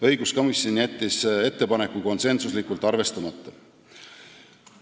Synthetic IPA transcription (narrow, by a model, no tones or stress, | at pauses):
ɤ̞jɡ̥usko̞misʲjonʲiæt̪ʲːise̞t̪ːe̞pɑne̞kːuko̞nse̞nsuslikːˑult̪ːˑɑrve̞st̪ɑmɑt̪ːˑɑ